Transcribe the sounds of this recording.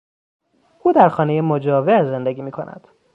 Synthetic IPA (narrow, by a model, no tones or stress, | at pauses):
ʔuːd̪æɾxɒːnejemod͡ʒɒːveze̞nd̪e̞ɡiːmiːkʰonʔæ̰d̪̥